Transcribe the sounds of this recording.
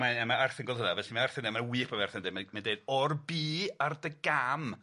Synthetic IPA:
maɛmaarθɪnɡɔlˠdˠɦʊnavɛɬimaarθɪndɪmawiːpʰavɛrθɪndɪmamandeɨd̥ɔrbiːardəɡam

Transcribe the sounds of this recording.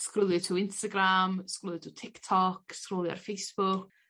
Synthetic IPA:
skrʊlˠjətʰuɪnstaɡramskrʊlˠjɪtʰutʰɪktʰɔkskroːlˠja̰rfejsb̥ʊk

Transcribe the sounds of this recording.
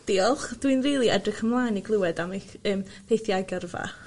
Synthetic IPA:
d̥iːɔlˠχd̥winriːlˠiɛdrəkʰəmlˠaːniɡlˠuwɛdamaəːmpʰejθjaɡjɔrva̰

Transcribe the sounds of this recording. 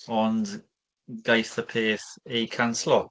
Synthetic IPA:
ɔn | ɡajθəpʰeːθejkʰanslɔ

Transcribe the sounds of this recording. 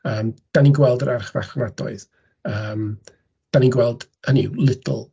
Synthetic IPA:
əːmd̥aninɡwɛlˠdəɾʔarχva̰χvadɔ̰ɨð | əːm | d̥aninɡwɛlˠd | ənḭlˠɪtʰl̩ˠ

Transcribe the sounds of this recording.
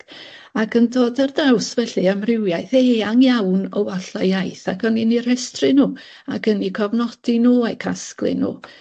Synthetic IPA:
akʰəndoːdardɛwsvɛɬɨamrɪwjajθeːaŋjawnɔwaɬajajθakʰəninir̥ɛstrɨnuː | akənikʰɔvnɔd̥inuːajkʰasklˠɨ̰nṵː

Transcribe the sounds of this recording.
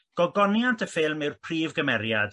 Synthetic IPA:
ɡ̥ɔɡɔnjantʰəfɪlˠmɪwrpʰriːvɡəmɛɾjad̥

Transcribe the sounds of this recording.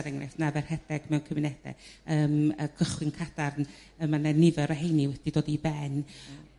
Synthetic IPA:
ɾɛŋnɛ̰snavɛr̥hɛdɛɡ̥mɛwnkʰəmɪnɛdɛ̰əːməkʰəχwɪnkʰad̥arn | əmananɪvɛɾəɦejniwɛd̥idoːdibɛn

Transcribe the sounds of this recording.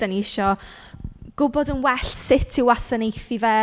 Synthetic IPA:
aniɪʃɔ | ɡ̥ʊbɔdənwɛɬsɪtʰiwasanejθivɛː

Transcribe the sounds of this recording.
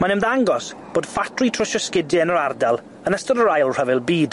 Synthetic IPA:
manɪmðaŋɡɔsb̥oːd̥fatʰritʰrəʃɔskɪdɨənəɾardalˠ | ənəstɔdəɾajlˠr̥əvɪlˠbiːd̥

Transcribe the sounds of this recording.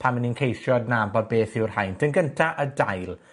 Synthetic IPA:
pʰanməninkʰejsjɔdnambɔd̚beːθɪwr̥hajndənɡəntʰaʔədajlˠ

